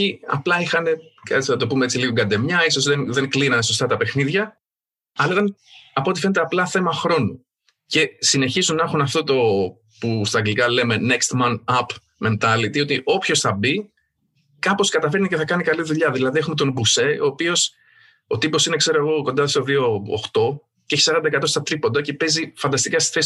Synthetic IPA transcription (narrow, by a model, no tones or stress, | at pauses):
iɐ̰plɐixɐne̞kɐɐt͡snɐt̪o̞pumeet͡siliɣo̞ɡɐnd̪e̞mɲɐiso̞zðenðe̞ŋklinɐne̞so̞st̪ɐt̪ɐpe̞xniðʝɐ | ɐlɐit̪ɐnɐpo̞t̪ife̞ne̞t̪eɐplɐθemɐxɾo̞nu | ce̞sine̞çizunːɐxunɐft̪o̞t̪o̞ | pust̪ɐɡlikɐle̞me̞ne̞kst̪mɐnɐp | me̞nt̪ɐlit̪io̞t̪iʔo̞pço̞sθɐbi | kɐpo̞skɐt̪ɐfe̞ɾniceθɐkɐnikɐliðuʎɐðilɐðiexume̞t̪o̞nbuse̞o̞̰ːpio̞s | ot̪ipo̞sine̞kse̞ɾoeɣo̞kond̪ɐsoðio̞̰ːxt̪o̞ | ceçi̥sɐɾɐnd̪ɐekɐt̪o̞st̪ɐt̪ɾipo̞nd̪ɐce̞pe̞zifɐnd̪ɐst̪ikɐsti̥θes